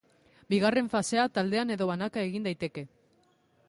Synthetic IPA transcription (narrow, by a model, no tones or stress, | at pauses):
biɣ̞are̞ɱfase̞at̪ald̪e̞ane̞ðo̞βanakae̞ɣind̪ajt̪e̞ke̞